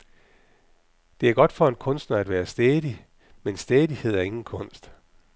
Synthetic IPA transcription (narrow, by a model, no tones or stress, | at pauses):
d̥e̝æɐɡ̥ɒ̽d̥fɒ̽enkʰɔ̽nsd̥nɐæd̥ʋæːɐsd̥ɛːðˠi | mensd̥ɛːðˠihe̝ð̞̰ˠæɐe̝ŋn̩kʰɔ̽n̰sd̥